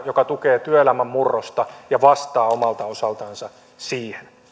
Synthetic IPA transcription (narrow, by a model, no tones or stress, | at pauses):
jokɑt̪ukeːt̪yøelæmæmːurːost̪ɑjɑʋɑst̪ɑːomɑlt̪ɑo̞sɑlt̪ɑːnsɑ | siːhen